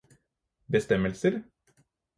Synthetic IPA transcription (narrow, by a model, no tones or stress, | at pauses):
bəst̪ɛməlsəɾ